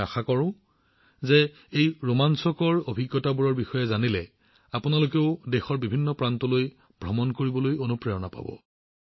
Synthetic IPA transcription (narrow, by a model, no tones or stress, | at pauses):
axakɔɹʊ̃ | zɛ | ejɹomansɔkɔɹobʱiɡjɔtabuɹɔɹbixɔjɛzanilɛ | apʊnalokeʊdɛxɔɹbibʱinːɔpɹantɔloj | bʱɹɔmɔnkoɹibɔlojonupɹɛjɔnapa̰bɔ̰